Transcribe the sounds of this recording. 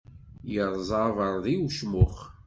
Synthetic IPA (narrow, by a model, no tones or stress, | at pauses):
jəɾˤzˤɑvəɾˤðiwʃmʊχ